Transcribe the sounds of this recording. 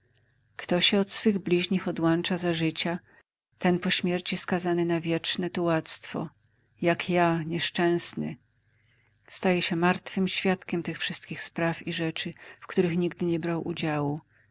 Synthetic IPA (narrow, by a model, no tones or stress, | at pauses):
kt̪ɔɕɛɔt̪sfɘɣblʲiʑɲixɔd̪want͡ʂazaʐɘt͡ɕa | t̪ɛnpɔɕmʲjɛɾt͡ɕiskazanɘnavʲjɛt͡ʂnɛt̪uwat̪st̪fɔ̰ | jakʰjaɲɛʂt͡ʂɛ̃w̃snɘ̰ | st̪ajɛɕɛmaɾt̪fɘmɕfʲjat̪kʲɛmt̪ɘxfʂɘst̪kʲixspɾafiʐɛt͡ʂɘfkt̪uɾɘxɲiɡd̪ɘɲɛbɾawʔṵd͡ʑawu